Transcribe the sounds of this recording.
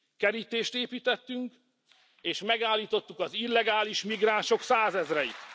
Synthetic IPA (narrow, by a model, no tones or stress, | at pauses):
kɛɾit̪eːʃt̪eːpiːt̪ɛt̪ːyŋk | eːʃmɛɡaːlːiːt̪o̞t̪ːukɒzilːɛɡaːliʃmiɡraːnʃo̞ksaːzɛzrɛjḭt̪